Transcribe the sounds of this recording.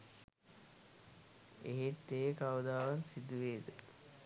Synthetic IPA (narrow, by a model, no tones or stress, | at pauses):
ḛɦet̪ːejəkawud̪aːʋansid̪uʋeːd̪ə